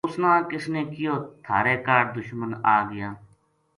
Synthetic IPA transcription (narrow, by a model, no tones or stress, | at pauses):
ʊsnãːkɪsneːkɪjoːt̪ʰaːɾeːkaːɾd̪ʊʃmənaːɡɪjãː